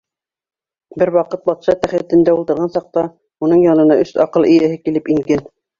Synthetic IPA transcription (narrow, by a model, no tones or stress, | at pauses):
bɘɾwɑqɤt̪̚bɑt̪ʃɑt̪æχæt̪ɘ̆nd̪æulˠt̪ɤ̆ɾʁɑnsɑq̚t̪ɑ | unɤɴjɑnɤ̆nɑʔɵsɑqɤlˠɘ̆jæhɘkilɘpiŋɡæn